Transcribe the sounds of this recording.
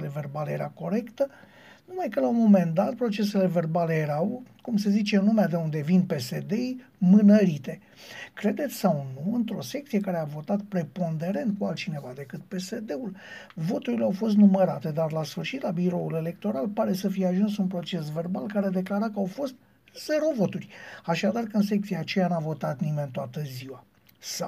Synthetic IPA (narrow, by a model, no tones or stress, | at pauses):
le̞ve̞rbaleje̞ɾako̞ɾe̞kt̪ə | numajkəlaumo̞me̞nd̪at̪̚pɾo̞t͡ʃe̞s̬e̞le̞ve̞rbale̞jeɾawkumse̞zit͡ʃe̞numead̪e̞und̪e̞vinpe̞se̞d̪e̞j | mɨnəɾit̪e̞ | kɾe̞d̪e̞t̪sʲsawnuɨnt̪ɾo̞se̞kt̪sije̞kaɾe̞avo̞t̪at̪̚pɾe̞po̞nd̪e̞ɾe̞nt̪̚kualt̪̚t͡ʃine̞vad̪e̞kɨt̪̚pe̞se̞d̪e̞ul | vo̞t̪uɾileawfo̞s̬t̪numəɾat̪e̞d̪arlasfɨrʃit̪labiɾo̞ule̞le̞k̚t̪o̞ɾalpaɾe̞səfijeaʒunsunpɾo̞t͡ʃe̞sve̞rbalkaɾed̪e̞klaɾakəawfo̞st̪̚ | z̥e̞ɾo̞vo̞t̪urʲaʃad̪arkəɨnsek̚t̪siaːt͡ʃe̞janavo̞t̪at̪nime̞nt̪oat̪əziwa | sa